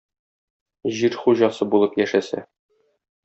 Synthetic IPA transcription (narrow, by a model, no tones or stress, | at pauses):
ʑiɾχuʑɑsɤbulˠɤpjæʃæsæ̰